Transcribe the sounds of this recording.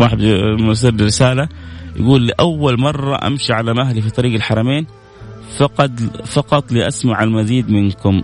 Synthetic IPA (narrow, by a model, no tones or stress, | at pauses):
ɑːħbmas̬iːɾdɪɾɪsaːlaja̰ɡuːlːiʔawːalmɑrˤːɑ̰ʔa̰mʃiʕalamaɦlifit̪ˤɑɾiːɡalħɑɾˤɑmeːn | fɑqɑt̪ˤfɑqɑt̪ˤliːʔasmaʕalmaziːd̪mɪnkʊm